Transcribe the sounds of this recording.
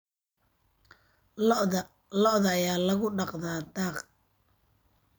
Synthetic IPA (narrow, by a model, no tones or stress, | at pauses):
lɔʔðɐːjaːlɐɣʊɖɑqðaːd̪aːq